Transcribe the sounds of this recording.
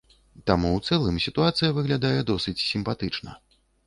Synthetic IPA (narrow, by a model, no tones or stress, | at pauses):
t̪amuwt̪sɛlˠɨmsʲit̪uat̪sɨjɐvɨɣlʲad̪ajɛd̪ɔsɨt͡sʲsʲimpat̪ɨt͡ʂnɐ̰